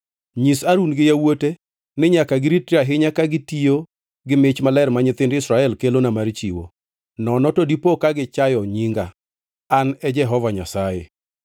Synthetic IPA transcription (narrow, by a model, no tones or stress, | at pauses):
ɲisaɾunɡɪjawote | nɪɲakaɡɪɾitɾaɦɪɲakaɡɪtio | ɡɪmɪt͡ʃmalɛɾmaɲɪt̪ɪndɪsɾaɛlkelonamaɾt͡ʃiwo̰ | nɔnɔtodipokaɡɪt͡ʃajɔɲiŋɡaː | nɛd͡ʒɛɦɔvaɲasajḛ